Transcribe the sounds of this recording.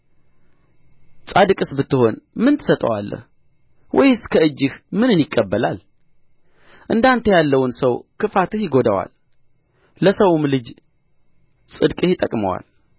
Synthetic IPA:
t͡sʼad̪ɨkʼɨsbɨt̪ːɨho̞nmɨnt̪ʰɨ̥sət̪ʼə̰wa̰lːə̰h | wʔɔjɨskʰəɨd͡ʒːɨhmɨnɨnjɪkʼːəbːəlal | ʔɨnd̪ant̪ʰəjalːəwʊnsəwkʰɨfat̪ɨhjɪɡo̞d̪əwa̰l | ləsəwumlɨd͡ʒ | sʼɨd̪kʼɨhjɪt̪ʼəkʼmə̰wa̰l

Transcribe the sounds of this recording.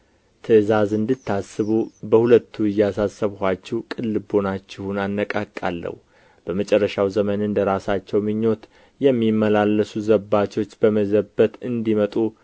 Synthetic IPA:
t̪ʰɨɨzazɨnd̪ɨt̪ʰːasːɨβubəhulət̪ʰːuɪjːasasːəβhat͡ʃːɛwkʼɨlːɨbo̞nat͡ʃːɪhunanːəkʼakʼːa̰lːə̰hu | b̥əmət͡ʃʼɛrːəʃawzəmənɨnd̪əɾasat͡ʃːɛwmɨɲːo̞t̪ | jɛmːimːəlalːəsuzəbat͡ʃo̞t͡ʃːbəməzəbət̪ɨnd̪imət̪ʼu

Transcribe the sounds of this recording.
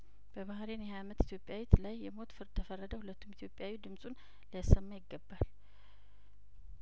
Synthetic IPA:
b̥əbahɾenjɛhajamət̪i̥t̪ʰjopʼjawit̪lajːɛmo̞t̪fɨɾd̪t̪ʰəfərːəd̪əhulət̪ʰːumit̪ʰjo̞pʼjawid̪ɨmsʼun | ləjasːəmːajɪɡːəbːal

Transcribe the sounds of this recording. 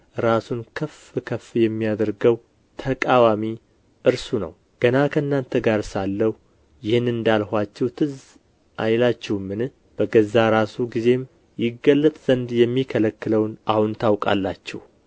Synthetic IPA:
ɾasunkʰəfɨkʰəfjɛmːijad̪əɾɡəw | t̪ʰəkʼawami | ʔɨɾsunə̰w | ɡ̥ənakʰəɨnːant̪ʰəɡaɾsalːəhu | jɪhɨnɨnd̪alhʷat͡ʃːɛwt̪ʰɨz | ʔajlat͡ʃːɛwmːɨnɨ | b̥əɡəzːaɾasuɡize̞m | jɪɡːəlːət̪ʼz̥ənd̪jɛmːikʰələkːɨləwnahunt̪ʰawkʼa̰lːat͡ʃːɛ̰h

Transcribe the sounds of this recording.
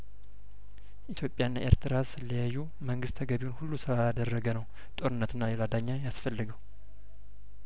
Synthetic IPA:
ʔit̪ʰjo̞pʼjaɨnːaʔe̞ɾt̪ʰɨɾasɨlːəjajːu | məŋɡɨst̪ʰəɡəβiunhulːusɨɾaad̪ərːəɡənəw | t̪ʼo̞ɾɨnːət̪ʰɨnːalelad̪aɲːajasfəlːɨɡəw

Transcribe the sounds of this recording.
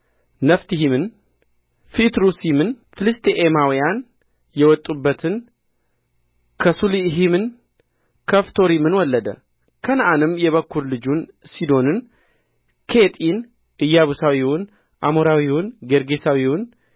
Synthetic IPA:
nəft̪iɦimɨn | fit̪ɾusimɨn | fɨlɨst̪ʰeʔemawijan | jɛwɔt̪ʼːubːət̪ʰɨn | kʰəsuliɦimɨn | kʰəft̪ʰo̞ɾimɨnwɔlːəd̪ə̰ | kʰənaʔanɨmjɛβəkʰːuɾlɨd͡ʒun | sid̪o̞nɨn | kʰet̪ʼin | ɨjːaβusawiwʊn | ʔamoɾawiwʊnɡeɾɡe̞sawiwʊn

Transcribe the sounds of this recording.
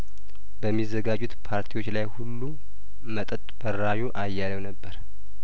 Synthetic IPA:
bəmːizːəɡad͡ʒːut̪pʰaɾt̪ʰiwo̞t͡ʃːlajhulːu | mət̪ʼət̪ʼb̥ərːaʒuʔajːaləwnəbːəɾ

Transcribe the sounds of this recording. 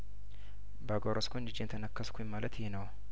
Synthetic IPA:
baɡoɾʔoskʰond͡ʒɪd͡ʒent̪ʰənəkːəskʰujɪmːalət̪ɪhenəw

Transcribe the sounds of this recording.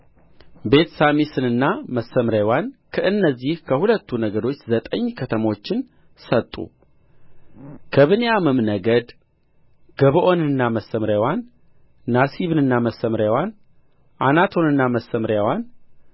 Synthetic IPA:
be̞t̪samisɨnɨnːaməsːəmɾjawankʰəʔɨnːəzːihkʰəhulət̪ːunəɡəɾo̞t͡ʃːzət̪ʼəɲːkʰət̪ʰəmo̞t͡ʃːɪn | sət̪ʼːṵ | kʰəβɨnejamɨmnəɡəd̪ | ɡ̥əβʔo̞nɨnːaməsːəmɾjawanː | asiβɨnɨnːaməsːəmɾjawan | ʔanat̪ʰo̞nɨnːaməsːəmɾjawan

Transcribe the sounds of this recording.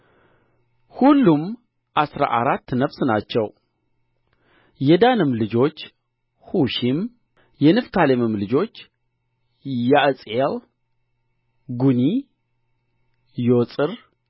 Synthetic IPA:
hulːum | ʔasɾa̰ʔaɾat̪ːnəβsnat͡ʃːɛw | jɛd̪anɨmlɨd͡ʒo̞t͡ʃː | huʃim | jɛnɨft̪ʰalemɨmlɨd͡ʒo̞t͡ʃː | jaʔɨsʼel | ɡuni | josʼɨɾ

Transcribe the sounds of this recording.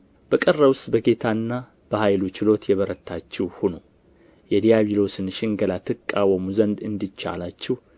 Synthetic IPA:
b̥əkʼərːəwʊst̪ʼbəɡe̞t̪ʰanːa | b̥əhajlut͡ʃɪlo̞t̪jɛβəɾət̪ʰːat͡ʃːɛwhuno | jɛd̪ijaβilo̞sɨnʃɪŋɡəlat̪ʰɨkʼːawəmuzənd̪ɨnd̪it͡ʃːa̰lat͡ʃːɪh

